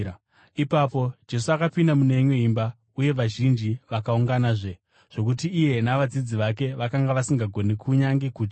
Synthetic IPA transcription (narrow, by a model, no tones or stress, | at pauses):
ipapo̞d͡ʒe̞suakapindamuneɲweimba | uje̞ʋaʒind͡ʒiʋakauŋɡanaːʐe̞ | ʐ̥o̞k̬utiːje̞naʋad͡zid͡ziʋake̞ʋakaŋɡaʋasiŋɡaɡʱo̞nekʰuɲaŋɡekuːt̬i